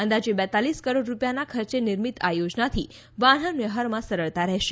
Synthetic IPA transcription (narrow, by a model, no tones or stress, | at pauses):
ə̃nd̪ad͡ʒebɛt̪aliskəɾoɖɾupjanakʰəɾt͡ʃenɪɾmit̪ajod͡ʒnat̪ʰi | ʋaɽ̤əmjəɦəɾmãsəɾəɭt̪aɾɛɦʃe